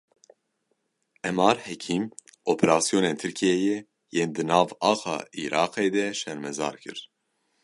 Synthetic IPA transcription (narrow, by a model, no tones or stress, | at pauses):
ʔɛmɑːɾhɛkʰiːm | ʔoːpʰɛɾɑːsijoːneːnt̪ʰɨɾkʰijejɛ | jeːnd̪ɨnɑːvɑːxɑ̰ːḭːɾʔɑ̰ːqeːd̪ɛʃɛɾmɛzɑ̰ːɾkʰɨ̰ɾ